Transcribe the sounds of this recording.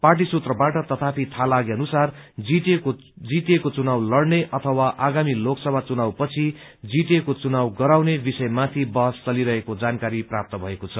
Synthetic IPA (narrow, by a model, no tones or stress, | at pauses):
parʈ̬isut̪rʌbaʈʌt̪ʌt̪ʰapʰit̪ʰalaɡeʌnusard͡zie | d͡ziʈ̪ekot͡sunawlʌrneʔʌt̪ʰʌwaʔaɡamiloksʌbʱat͡sunawpʌt͡sʰi | d͡ziʈekot͡sunawɡʌɾawnebisʌjmat̪ʰibʌɦʌst͡sʌliɾʌɦekod͡zankaɾiprap̚t̪ʌbʱʌekot͡sʰʌ